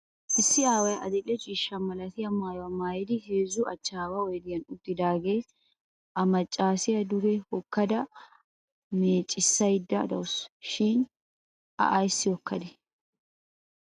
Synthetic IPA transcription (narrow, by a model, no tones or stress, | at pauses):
ʔɪsːɪaːwɐjɐd̪ɛlːɛt͡ʃʼiːʃːɐmɐlɐt̪ɪjɐmaːjɔɐmaːjɛd̪ɪhe̞ːzːʊʔɐt͡ʃːaːwɐwɔjd̪ɪjɐnʊt̪ːɪd̪aːɡeː | ʔɐmɐt͡ʃʼːaːsɪjɐd̪ʊɡɛhɔkːɐd̪ɐ | meːt͡ʃʼːɪsːɐjɪd̪ːɐd̪ɐwʊsʃɪn | ʔɐ̰ʔajsːɪjɔkːɐd̪ɛ